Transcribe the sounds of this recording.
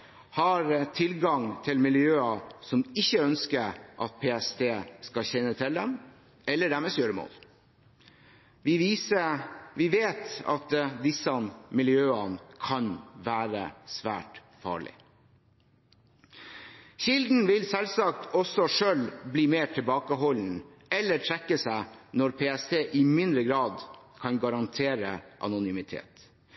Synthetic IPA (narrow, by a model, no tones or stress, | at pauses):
hɑɾt̪ʰɪlɡɑŋt̪ʰɪlmɪljøːɑsɔmɪçːəœnskəɾʔɑ̰t̪̚pʰeːɛst̪ʰeːskɑçɛnːət̪ʰɪld̪ɛm | ɛlːəɖæmɛsøːɾəmo̰ːl | ʋɪʋiːsəʋɪʋeːt̪ɑ̰t̪d̪ɪsənmɪljøːənkʰɑnʋæːɾə̰sʋæ̰ːʈ | fɑ̰ːɭɪ̰ | çɪld̪n̩ʋɪlsɛlsɑkt̪ʰɔsɔʂøːlbliːmeːʈʰɪlbɑːkəɦɔln̩ | ɛlːəʈʰɾɛkːəsæɪnɔɾpʰeːɛst̪ʰeːʔɪmɪnd̪ɾəɡɾɑːd̪kʰɑnɡɑɾɑnt̪ʰeːɾəʔɑ̰nʊnʏmɪt̪ʰḛːt̪